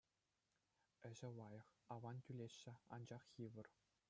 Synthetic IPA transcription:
ɘ̆ʑɘ̆lɑjɤ̆χɑʋɑntʲylʲeɕːɘ̆ɑ̰nd͡ʑɑχjiʋɤ̆r

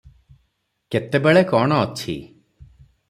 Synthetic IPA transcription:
ket̪ebeɭekɔɽ̃ɔːt͡ʃʰḭ

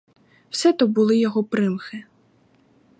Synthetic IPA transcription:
w̥sɛt̪ɔbʊlˠɪjɔɦɔpɾɪmxɪ

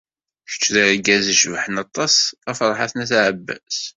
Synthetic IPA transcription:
çə̥t͡ʃːðəɾɡæziʃvħənɑt̪ˤːɑsæfɾˤħaθnæθaʕəbːæ̰s

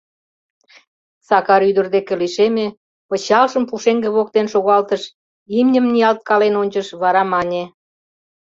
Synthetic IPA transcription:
sɑkɑɾyd̪ərd̪ekeliʃeme | ət͡ɕɑlʃəmpuʃeŋɡĕβok̚t̪enʃoɣɑlt̪əʃ | imnʲəmniɑlt̪̚kɑlenonʲt͡ɕəʃβɑɾɑmɑnʲe

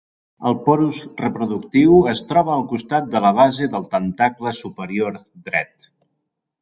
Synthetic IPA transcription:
əlˠpɔɾuzrəpɾuðukt̪iwəst̪ɾɔβ̞əːlˠkust̪at̪̚d̪ələβ̞azeðəlˠt̪ənt̪akləsupəɾioɾ | d̪ɾɛ̰t̪

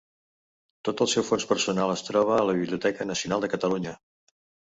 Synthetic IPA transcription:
t̪ot̪əlˠsɛwfonspərsunalˠəst̪ɾɔβ̞əːləβiβliut̪ɛkənəsiunalˠd̪əkət̪əluɲə

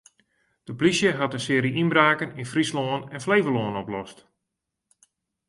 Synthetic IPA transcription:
d̥əplisjəɦatənsɪːɾiinbraːkəninfrisloːənɛnfleːvəloːənɔplɔst

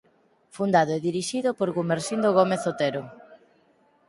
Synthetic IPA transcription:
fund̪aðoeðiɾiʃiðʊpoɾɣumeɾsind̪oɣomeθot̪eɾo

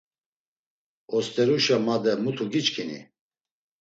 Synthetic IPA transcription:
ɔst̪ɛɾuʃamad̪ɛmut̪ʰuɡit͡ʃkʰinḭ

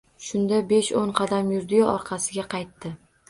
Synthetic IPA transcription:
ʃʊnd̪abe̞ʃoɴqʰɑd̪amjʊɾd̪ɪjɒɒɾqʰɑsɪɡʲaqʰɑjt̪ːɪ

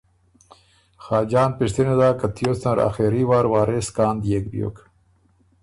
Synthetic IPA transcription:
xaːd͡ʑɑːnpiʂt̪ined̪aːkat̪ʰijosnaɾa̰xeɾiwaːɾwɑːɾeskaːnd̪jekbjo̰k

